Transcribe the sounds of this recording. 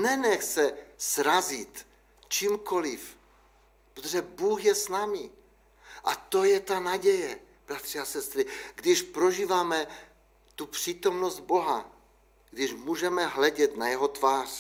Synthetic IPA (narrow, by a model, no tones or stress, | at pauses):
nɛnɛxt͡sɛsɾazɪt̪ | t͡ʃiːmko̞lɪf | pɾot̪oʒɛbuːxjɛsnaːmi | ʔa̰t̪o̞jɛt̪anaɟɛjɛ | b̥ɾat̪r̥iasɛst̪ɾɪɡdɪʃpɾo̞ʒiːvaːmɛ | t̪upr̝̥iːt̪o̞mnost̪̚bo̞ɦa | ɡdɪʃmuːʒɛmɛɦlɛɟɛt̪najɛɦo̞t̪vaːr̥